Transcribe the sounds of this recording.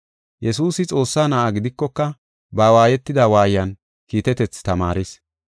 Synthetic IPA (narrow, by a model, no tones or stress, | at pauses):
jɛsuːsɪt͡sʼo̞ːsːaːnɐʔaɡɪd̪ɪkːɔkːɐ | baːwaːjɛt̪ːɪd̪awaːjjɐn | kiːt̪ɛt̪ɛt͡st̪ɐma̰ːɾɪs